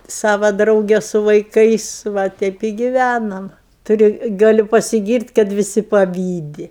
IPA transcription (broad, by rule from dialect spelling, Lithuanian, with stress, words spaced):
ˈsɑːʋɐ ˈdrɐʊɡʲɛ sʊ ʋɐɪˈkɐɪs ˈʋɐ ˈtʲɛɪp ɪ ɡʲɪʋʲænɐm tʊˈrʲʊ ˈɡɑːlʲʊ pɐsʲɪˈɡʲiːrʲtʲ kɐt ʋʲɪˈsʲɪ pɐˈʋʲiːdʲɪ